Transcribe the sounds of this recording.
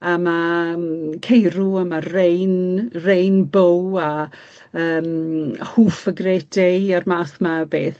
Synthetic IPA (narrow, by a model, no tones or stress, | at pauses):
ama | kʰejɾuəmarejnrejnbowa | əːmhuːfəɡrɛːdearmaːθmabḛːθ